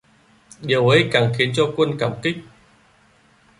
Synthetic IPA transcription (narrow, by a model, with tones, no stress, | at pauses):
ɗi˨˩wə˨˦jkaː˨˩ŋxi˨˦ənt͡ɕɔ˧kwə˧nkaː˧˩mkï˦˥k̚